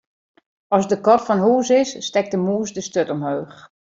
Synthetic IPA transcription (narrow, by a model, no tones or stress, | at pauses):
ɔsdəkɔtfɔnɦuːsɪsːtɛk̚dəmuːsdəstøtɔmhøːx